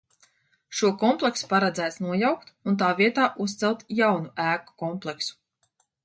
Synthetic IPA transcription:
ʃuɔkɔmplˠɛksu̥paɾɛd̪zæːt̪snuɔjawkt̪unt̪aːviɛt̪aːʔust̪sɛlˠt̪jawnuʔæːku̥kɔmplˠɛksu̥

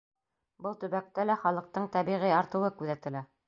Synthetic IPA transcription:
bɤlˠt̪ɵ̆βæk̚t̪ælæχɑlˠɤ̆q̚t̪ɤɴt̪æβiʁiɑɾt̪ɤ̆wɤkʉðæt̪ɘ̆læ

